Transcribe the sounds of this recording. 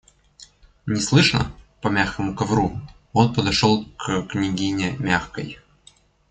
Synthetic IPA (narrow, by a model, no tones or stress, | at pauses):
nʲɪslˠɨʂnə̰pɐmʲaxkəmʊkɐvɾu | o̞npəd̪ɐʂolˠkknʲɪɡʲinʲɪmʲaxkə̰j